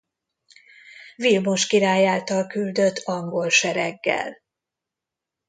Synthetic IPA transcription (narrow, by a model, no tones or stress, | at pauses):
vilmo̞ʃkiɾaːjaːlt̪ɒlkyld̪ø̞t̪ːɒŋɡo̞lʃɛɾɛɡːɛ̰l